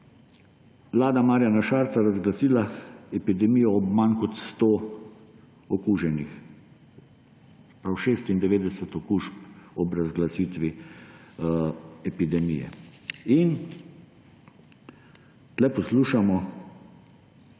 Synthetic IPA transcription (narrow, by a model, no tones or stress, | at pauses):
ʋlaːd̪amaːɾjanaʃaːɾt̪saɾazɡlasiːlaɛpid̪ɛmiːjɔːbmankɔt̪st̪oː | ɔkuːʒɛnix | pɾawʃeːst̪ind̪ɛʋeːd̪ɛsɛt̪ɔkuːʃpɔbɾazɡlasiːt̪ʋi | ɛpid̪ɛmḭjɛ̰in | t̪lɛpɔsluːʃamɔ